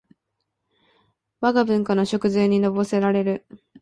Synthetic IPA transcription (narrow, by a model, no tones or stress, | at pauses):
βaɡabɯ̟̃ŋkanoɕo̞kɯ̟zɨːɲ̟ino̞bo̞se̞ɾaɾe̞ɾɯ̟